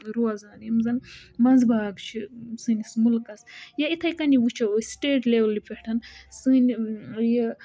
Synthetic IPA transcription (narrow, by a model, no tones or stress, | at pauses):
ɾuɐzaːnjɐmzɐnmɐnzbaːɡt͡ʃʰisɨnʲismulkɐsjɐit̪ʰɐjkɐniʋut͡ʃʰɐwosʈeːʈleʋlːipʲeʈʰɐnsɨnije